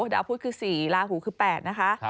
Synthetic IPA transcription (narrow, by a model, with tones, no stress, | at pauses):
daː˧˦wpʰuː˥˩t̚kʰɯː˧˩siː˨˩laː˧huː˨˩˦kʰɯː˧˩pɛː˨˩t̪̚na˦˥kʰa˦˥ʔ